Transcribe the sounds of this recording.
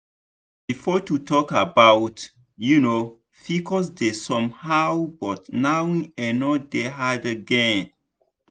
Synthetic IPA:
bifɔtutʰɔkabawt | juno | fikʰɔs̬desɔ̃mhawbɔtnawĩɛnɔdeɦadəɡɛ̃n

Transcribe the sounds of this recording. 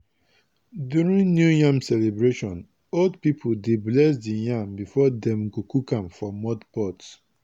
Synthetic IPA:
djuɹĩnnjujãmsɛlebɹeʃɔ̃n | oldpipʰodeblɛs̬dijãmbifɔdɛ̃mɡokukãmfɹɔmːɔdbɔts

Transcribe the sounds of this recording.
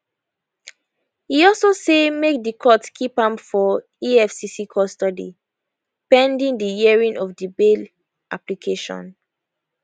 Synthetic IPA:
hiɔlsosemek̚dikʰɔtskʰipãmfɔ | iɛfsisikʰɔstɔdḭ | pɛ̃ndĩŋdijiɛɹĩnʔɔfdibel | ʔaplikʰeʃɔ̰̃n

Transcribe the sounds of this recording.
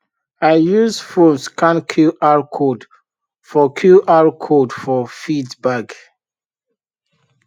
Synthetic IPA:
aɪjuzfɹõnskʰãnkʰilaɹkʰod | fɔkʰjuʔaɹkʰodfɔfidbaɡ

